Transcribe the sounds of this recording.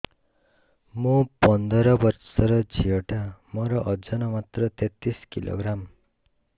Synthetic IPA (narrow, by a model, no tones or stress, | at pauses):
mũpʌnd̪ʌɾʌbʌɾsʌɾʌd͡ʒʱioʈamʌɾʌʔʌd͡ʒʌnʌmat̪ɾʌt̪et̪iskilo̰ɡɾam